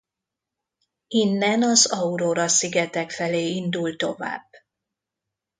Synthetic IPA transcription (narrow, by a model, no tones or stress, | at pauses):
inːɛnɒzɒuɾoːɾɒsiɡɛt̪ɛkfɛleːind̪ult̪o̞va̰ːb̥ː